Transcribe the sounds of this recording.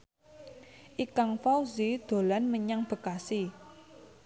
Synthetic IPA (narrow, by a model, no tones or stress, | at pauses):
ʔikaŋfawzid̪̥o̤lanməɲaŋb̥ə̤kasi